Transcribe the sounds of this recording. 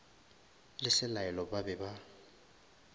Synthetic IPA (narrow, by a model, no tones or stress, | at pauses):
lɪsɪlaɛlɔbabɛba